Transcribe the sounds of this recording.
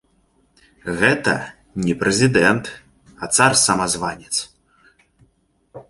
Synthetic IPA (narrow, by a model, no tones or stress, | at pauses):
ɣɛt̪ɐ̰ | nʲɛpɾɛzʲid̪ɛnt̪ | ɐt̪sarsɐmazvanʲɛt̪s